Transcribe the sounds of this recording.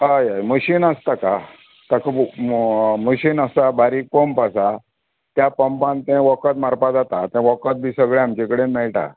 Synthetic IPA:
əjaməɕinəst̪aka | t̪akə | məɕiːnəsabaɾik̚pəmpasa | t̪japəmpãnt̪ɛ̃ʋəkət̪maɾpad͡zat̪at̪ɛ̃ʋəkət̪̚bʱiːsəɡɭeamt͡ɕẽkəɽemɛɭʈa̰

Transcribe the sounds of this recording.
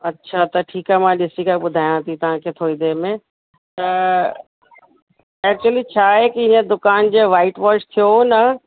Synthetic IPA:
ɐtːɕʰat̪ɐʈʰiːkaɦmãɗɪsikaɓʊd̪ʱaːjãt̪ʰit̪ɐʋ̤ãkʰeːt̪ʰoːid̪eːmẽ | t̪ɐ | ɛːk̚t͡ɕuəlit͡ɕʰaːɦekiɪnə̃d̪ʊkaːnd͡ʑoːʋaːɪʈʋaːʃt̪ʰijonɐ

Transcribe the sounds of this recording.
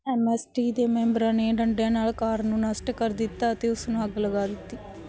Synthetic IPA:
emesʈiːd̪emembɐɾɐneːɳɖɐɳʈeːɐnaːɭɐkaːɾnunɐsʈɐkɐɾd̪it̪ːaːt̪eusunaːɡɐlɐɡaːd̪it̪ːi

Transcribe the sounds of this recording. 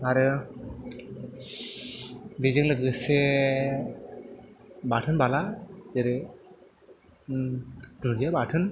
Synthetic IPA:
aɾɯ | bezɯŋlɯɡɯse | batʰɯnbalazeɾɯ | d̥ɯŋd͡ʒebatʰɯn

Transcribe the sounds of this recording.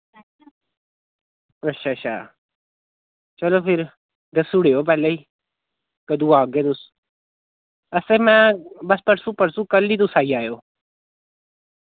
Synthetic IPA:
ɐʃʰaːt͡ʃʰa̰ː | t͡ʃɐloːfɪɾ | d̪ɐsuɽejoːpɛːleiː | kəd̪uːaːɡed̪us | ɐseːmɛ̃ːbɐspəɾsũpɐɾsũːkɐlːiːd̪usaːiaːjoː

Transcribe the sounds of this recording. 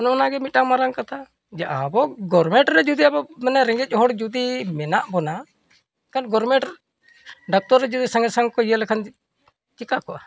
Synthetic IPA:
ɔnɔnaɡɛmit̪̚amaɾaŋkat̪a | d͡ʒaʔabɔɡɔɾmɛʈɾɛd͡ʒud̪iabɔmɛnɛɾɛŋɡɛc̚ˀɦɔɽd͡ʒud̪imɛnaʔbɔna | kanɡɔɾmɛʈ | ɖak̚t̪ɔɾːɛd͡ʒud̪isaŋɡɛsaŋkɔijəlɛkʰan | t͡ʃikakɔʔa

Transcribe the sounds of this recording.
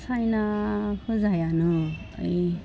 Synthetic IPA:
sajnahɯzajanɯ̰ː | j

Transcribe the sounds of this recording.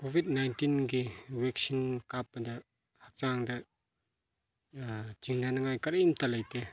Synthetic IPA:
kobʱid̚najntinɡiwɛksinkap̚ːdɐ | hak̚t͡ʃaŋdɐ | d͡ʒiŋnanaŋajkɐɾimt̪alɐjte

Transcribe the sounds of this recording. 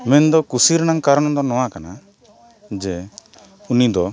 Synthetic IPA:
mɛnd̪ɔkusiɾnaŋkaɾɔnɔd̪ɔnɔw̃akana | d͡ʒɛ | unid̪ɔ

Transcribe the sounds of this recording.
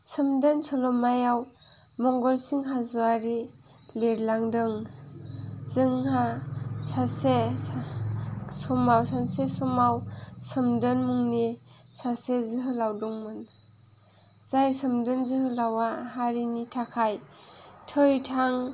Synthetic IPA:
sɯmdɯnsɔlɔmajaw | mɔŋɡɔlsiŋɦazuaɾi | leɾlaŋdɯŋ | zɯŋɦasase | sɔmawsansesɔmawsɯmdɯnmuŋni | sasezɯɦɯlawdɔŋmɯn | z̥ajsɯmdɯnzɯɦɯlawahaɾinitʰakʰaj | tʰɯjtʰaŋ

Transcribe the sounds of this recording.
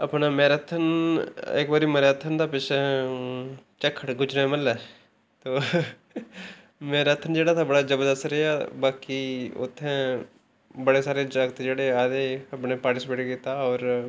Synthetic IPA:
əpnaːmɛ̃ːɾət̪ʰːənɪ̰kʋaːɾiːməɾat̪ʰːənd̪aːpɪt͡ʃː | t͡ʃəkʰːəʈɡʊd͡ʒɾẽməlːɛː | t̪oː | mɛ̃ːɾət̪ʰːənd͡ʒeːɽaːt̪ʰabəɽaːd͡ʒəbd̪əsəɾeabaːkiʊ̰t̪ʰːẽː | bəɽeːsaːɾeːd͡ʒaɡət̪d͡ʒeːɽeːaːd̪eːəpɳeːpaːɾʈɪsɪpeːʈkiːt̪aːɔːɾ

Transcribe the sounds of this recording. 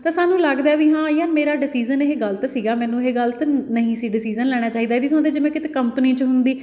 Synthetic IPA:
t̪ãːsaːnũːləɡd̪aɛːʋiːɦãːiːənmeːɾaːɖɪsiːzəneɦeːɡəlt̪ːsiːɡaːmɛ̃ːnũːɦeːɡəlt̪nəɦĩːsiːɖɪsiːzənlɛːɽ̃aːt͡ʃaːiːd̪aːiːd̪isʊãːd̪eːd͡ʒɪmẽːkɪt̪eːkəmpəniːt͡ʃɦʊnd̪iː

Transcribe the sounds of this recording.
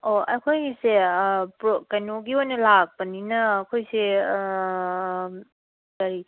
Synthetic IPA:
oakʰojsepɾokajnoɡiojnɐlak̚pɐninɐːkʰojse | kɐɾi

